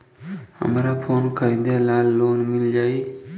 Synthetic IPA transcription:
hə̰mɾapʰoːnkəɾĩnd̪elaːlːoːnmɪld͡ʒaːi

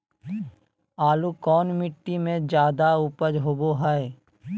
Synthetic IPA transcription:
aːlukɔːnmɪʈːimẽd͡ʒjaːd̪aʊpəd͡ʒɦoboɦəe

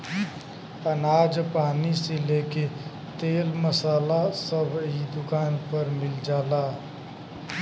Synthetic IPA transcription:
ənaːd͡ʒpaːniseleke | t̪eːlməsaːlasəbʱid̪ʊkaːnpəɾmɪld͡ʒaːlaː

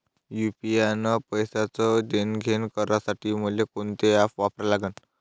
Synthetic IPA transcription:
jupianəpəjsat͡səd͡ʑenɡʱenkəɾasaʈiːməlekoɳt̪eafʋapɾalaɡən

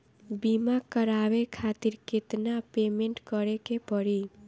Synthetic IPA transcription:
bimakʌɾabekʰat̪iɾket̪napemeɳʈkʌɾekepʌɾi

